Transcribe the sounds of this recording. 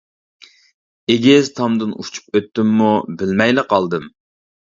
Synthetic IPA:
eɡʲɪzt̪ʰɑmd̪ɨnut͡ʃʰu̥p̚øt̪ːɪmːubɪlmɛjlɨqʰɑlˠd̪ɨm

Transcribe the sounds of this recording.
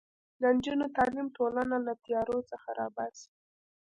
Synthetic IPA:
d̪ənd͡ʒunot̪ɑlimʈolanalat̪ijɑɾot͡səxaɾɑ̰bas

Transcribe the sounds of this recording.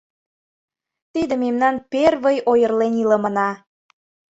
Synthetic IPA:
t̪id̪əmemnɑnperβəjojərleniləmə̆nɑ

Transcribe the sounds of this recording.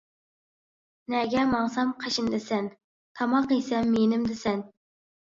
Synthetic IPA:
nɛɡʲɛmɑŋsɑmqʰəʃind̪ɪsɛn | t̪ʰɑmɑqisɛmːenɪmd̪ɪsɛn

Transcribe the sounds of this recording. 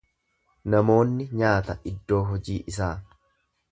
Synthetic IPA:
nɐmo̞ːnːɪɲaːt̪ɐʔɪd̪ːo̞ːɦɔd͡ʒiːʔɪs̬aː

